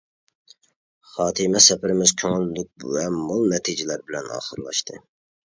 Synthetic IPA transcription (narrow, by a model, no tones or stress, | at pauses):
χɑːt̪ʰɨmɛsɛpɪɾɪmɪz̥kʲʰøŋyldɪk̚vɛmolˠnɛt̪ʰid͡ʒɪlæɾbɪlɛnɑ̰ːχəɾlˠɑ̰ʃt̪ʰɨ